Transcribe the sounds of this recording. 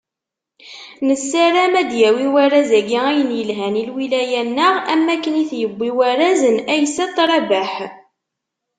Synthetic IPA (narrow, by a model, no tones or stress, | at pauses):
nəsːæɾæmæd̪jæwiwæɾæzæɡiæjənjəlɦænilwilæjænːəʁæmːækːəniθjəbʷːiwæɾæzənæjsːæt̪ˤːɾˤɑbæħ